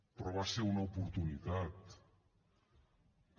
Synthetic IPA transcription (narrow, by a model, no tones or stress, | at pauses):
pɾɔβaseunaupuɾt̪unit̪at̪